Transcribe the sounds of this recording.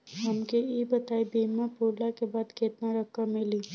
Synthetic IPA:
ɦɐmkeiːbɐt̪aːibiːmãpuːɾlakebaːd̪keːt̪naɾɐkːamɪliː

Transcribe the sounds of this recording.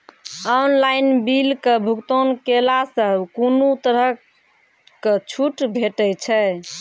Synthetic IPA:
ɔnlainbilkebʱukt̪onkelasəbkunut̪əɾə | kət͡ʃʰuʈbʱeʈɛt͡ʃʰɛ

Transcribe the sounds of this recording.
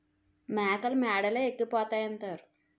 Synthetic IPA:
maːkɐlmɛːɽɐleːekːipɔːt̪aːjɐnt̪aːɾu

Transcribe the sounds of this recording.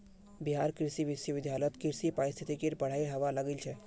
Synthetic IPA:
biɦaɾkɾisiʋisjəʋɪd̪ʱjalət̪kiɾsipaɾist̪ʰit̪ʰikeɾpəɽ̤aiɦəʋaləɡelt͡ʃʰɛ

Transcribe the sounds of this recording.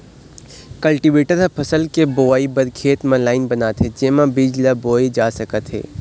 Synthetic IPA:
kɐlʈiʋeːʈəɾɦpʰɐsəlkeboːʋaːibɐɾkʰeːt̪mãlaːɪnbɐnaːt̪ɦed͡ʒeːmãbid͡ʒlaboːid͡ʒaːsɐkət̪ɦḛː

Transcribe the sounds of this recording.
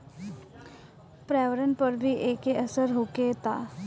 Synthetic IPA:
pɾɛʋəɾənpəɾbʱiːʔekeʔəsəɾɦoket̪a

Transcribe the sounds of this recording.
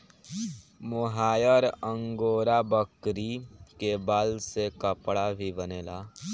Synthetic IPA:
mʊɦaːjəɾə̃ŋɡoːɾabəkɾikebaːlsekəpɽabʱibəneːlaː

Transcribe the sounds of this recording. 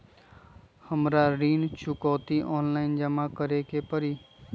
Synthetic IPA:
həmɾaːɾiːnt͡ʃʰʊkoːt̪iːʔoːnlaːɪnd͡ʒəmaːkəɾeːkeːpəɾiː

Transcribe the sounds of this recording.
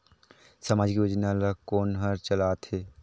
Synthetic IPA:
sɐmaːd͡ʒkijʊd͡ʒnalakoːnɦəɾt͡ʃəlaːt̪ʰheː

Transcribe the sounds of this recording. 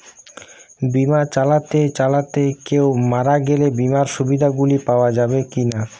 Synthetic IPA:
bimat͡ɕalat̪et͡ɕalat̪ekewmaɾaɡelebimaɾʃubid̪ʱaɡulipaoad͡ʑabekina

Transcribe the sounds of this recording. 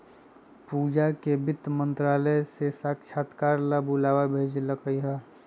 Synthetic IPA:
puːd͡ʒakebɪt̪mə̃nt̪ɾaːləjsesaːkt͡ʃʰaːt̪kaːɾlabʊlaːwabʱeːd͡ʒləkəiɦɛ

